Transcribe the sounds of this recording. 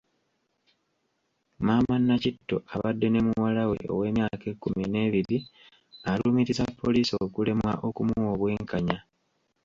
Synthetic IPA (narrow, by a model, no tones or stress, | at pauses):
maːmanːacitːo̞̰aβadːe̞ne̞muwalawe̞ʔo̞̰we̞ːmjaːke̞ːkːumine̞ːβiɾi | aluːmiɾizapːo̞liːsokule̞mwa̰ʔo̞kumuwo̞βweːŋkaɲa